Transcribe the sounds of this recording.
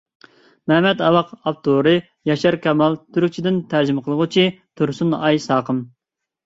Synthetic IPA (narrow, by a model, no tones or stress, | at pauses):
mɛhmɛt̪ɑwɑqɑp̚t̪ʰoɾɨ | jɑʃɑɾkʲʰɛmɑlˠt̪ʰyɾyk̚ʲt͡ʃʰid̪ɪnt̪ʰæɾd͡ʒimqʰəlˠəʁʊt͡ʃʰit̪ʰuɾsunɑjsɑːqəm